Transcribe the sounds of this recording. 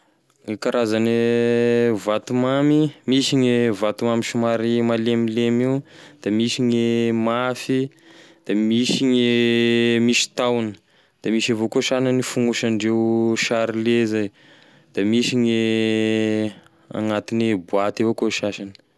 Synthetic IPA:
ŋikaɾazani | vat̪umamimiʃiɲevat̪umamiʃumaɾimalemilemiwd̪̥amiʃiɲemafi | d̪̥amiʃiɲe | miʃi̥t̪awnə̥ | d̪̥amiʃavokoʃananifuŋɡuʃanɖ͡ʐewʃaɾilezaj | d̪̥amiʃiɲe | a̰ŋat̪inibuat̪evokoʃaʃanə̥

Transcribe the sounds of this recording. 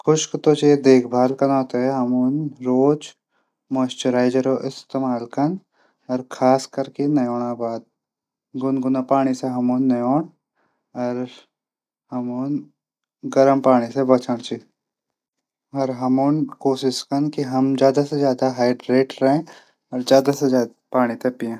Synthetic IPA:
kʰʊʃkt̪ot͡ʃied̪eːkʰbʱaːlkɐnɔːt̪eɦɛɦɐmunɾoːd͡ʒ | məsʈəɾaːɪd͡ʒəɾoʔɪst̪eːmaːlkɐn | ɔɾkʰaːskɐɾkinɐjoːɽ̃abaːd̪̚ | ɡʊnɡʊnapaːɽ̃iseɦɐmuːnːɐjoːɳ̃ | ɔɾ | hɐmuːn | ɡɐɾəmpaːɽ̃isebɐt͡ʃʰəɽ̃t͡ʃi | ɐɾɦɐmuːnkoːʃɪʃkɐnkiɦɐmd͡ʒjaːd̪ased͡ʒjaːd̪aɦaːɪɖɾeːʈɾɐɦẽ | ɔːɾd͡ʒjaːd̪ased͡ʒaːd̪apaːɽ̃it̪epiãː

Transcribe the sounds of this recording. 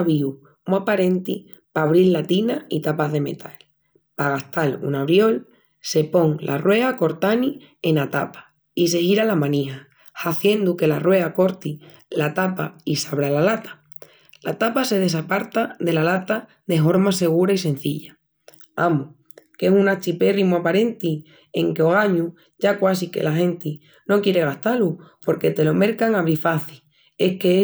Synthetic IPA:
aβiu | mapaɾe̞nt̪i | paβ̞ɾilːat̪inait̪apaðe̞me̞̰t̪ʰal | paɣaht̪alṵnaβ̞ɾjo̞l | se̞po̞ŋlʔa̰rwe̞ako̞ɾt̪ani | e̞nat̪a̰pḁ | ise̞hiɾalamãnĩɦa | haθje̞nd̪uke̞larwe̞ako̞ɾt̪i | lat̪apaisaβ̞ɾalalat̪ḁ | lat̪apase̞ð̞e̞s̬apaɾt̪aðe̞lalat̪a | ðe̞ɦo̞ɾmase̞ɣ̞uɾais̬e̞n̟θiʎa | amu | ke̞sunat͡ʃipe̞rimoapaɾe̞nt̪i | e̞ŋkeo̞ɣ̞aɲu | ʝakwas̬ike̞̰laxẽ̞nt̪i | no̞kje̞ɾe̞ɣ̞aht̪alupo̞ɾke̞t̪e̞lo̞me̞ɾkaŋaβ̞ɾifaθi | e̞hke

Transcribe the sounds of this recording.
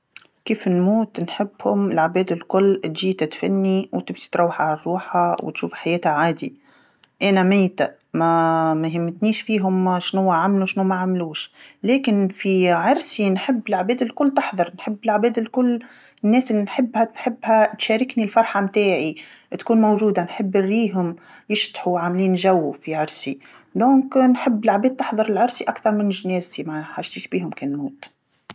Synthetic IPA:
keːfɪnmuːt̪nħɪbːhʊmɪlʕbeːd̪ɪlkʊlːt̪ʒiːt̪at̪fa̰nːiwt̪ɪbsi̥t̪ɾˤɑwːɪħʕalarˤːuːħhawt̪ʃuːfħajeːt̪aʕaːd̪ḭ | ʔanamɪjt̪a | mamaɦɪmːɪt̪niːʃfiːɦʊmʃnʊwːaʕamluʃnumaʕamluːʃleːkɪnfiʕɑɾˤsinħɪbːɪlʕabeːd̪ɪlkʊlːt̪ɪħðˤɑɾnħɪbːɪlʕabeːd̪ɪlkʊlː | nːeːsʔɪlːinħɪbːhanħɪbːhat̪ʃeːɾɪknilfɑɾˤħamt̪eːʕi | t̪kuːnmowʒuːd̪anħɪbːɪrːiːɦʊm | jɪʃt̪ħuwʕaːmliːnʒawːufiʕɑɾˤsi | d̪õːŋknħɪbːɪlʕabeːd̪̚t̪ɪħðˤɑɾˤɪlʕɑɾsiʔakt̪ɑɾˤmɪnʒneːzt̪imaʕaħaʒt̪iːʃbiːɦʊmkeːnmuːt̪

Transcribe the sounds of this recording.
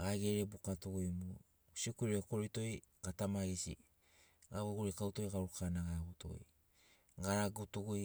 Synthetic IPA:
ɡaɡeɾe̞bukatuɡujmu | siokuɾeko̞ɾito̞j | ɡ̥atamaɡisḭ | ɡaβoɡuɾikawto̞jɡaɾukanaɡaɡuto̞̰j | ɡaɾaɡutuɡuj

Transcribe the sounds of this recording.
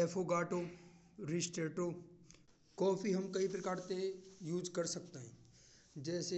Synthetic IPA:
ɛːfoɡaːʈoː | ɾisʈeːʈo | kɔːfiɦɐmkɐipɾɐkaːɾt̪ejuːd͡ʒkɐɾsɐk̚t̪aɦɛ̃ː | d͡ʒɛːse

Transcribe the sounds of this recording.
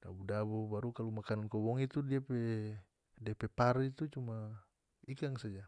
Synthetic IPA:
d̥a̰budabubaɾukalumakanankɔbɔŋit̪udiapɛ | diapɛpaɾit̪ut͡ʃuma | ikaŋsad͡ʒa

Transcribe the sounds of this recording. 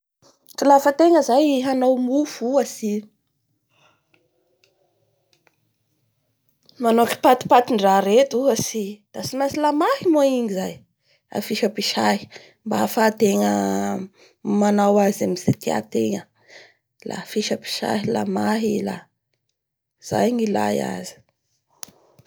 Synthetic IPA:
kilafət̪eŋəzajɦanawmufuasi | manoki̥pat̪i̥pat̪iɳɖ͡ʐaɾet̪uɦasid̪̥asimasilamahimoiŋizaj | a̰fiʃəpiʃaɦi̥ | mbafat̪eŋə | manawazamizet̪ia̰t̪eŋə | lʔa̰fiʃəpi̥ʃa̰ɦila̰maɦila̰ | z̥a̰jɲila̰ja̰zi̥

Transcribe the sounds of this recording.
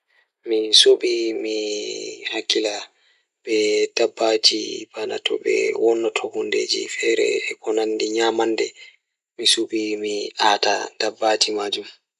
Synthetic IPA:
misoɓimi | hakːila | bɛd̥abːad͡ʒḭb̥ana̰tʰɔ̰bɛ̰wɔnːatʰohundḛːd͡ʒḭfɛɾɛ̰ɛkɔnandiɲamandɛ | misuɓimiaːtad̥abːad͡ʒimaːd͡ʒum

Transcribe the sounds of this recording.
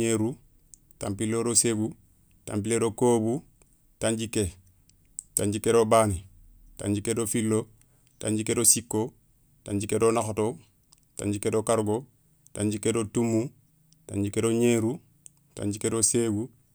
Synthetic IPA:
eɾu | ta̰mpilːoɾoseɡu | ta̰mpiledokoːbu | taɲɟikːe | taɲɟikedobaːni | ta̰ɲɟikedofilːo | ta̰ɲɟikedosikːo | taɲɟikedonaxoto | ta̰ɲɟikedokaɾɡo | taɲɟikedotumːu | ta̰ɲɟikedoɲeːɾu | ta̰ɲɟikedoseːɡu

